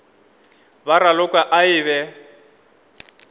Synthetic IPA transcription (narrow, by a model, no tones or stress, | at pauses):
baɾalʊkʼwaʔaɪβɛ